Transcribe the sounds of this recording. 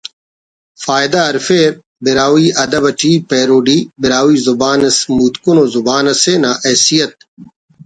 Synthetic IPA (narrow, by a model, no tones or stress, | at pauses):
faːjd̪aɐɾfeːɾ | biɾaːwiːɐd̪ɐbɐʈʰiːpeːɾoːɖiːbɪɾaːwiːzubaːnɐsmuːt̪kunoːzubaːnɐseːnaːʔɐːsijɐt̪̚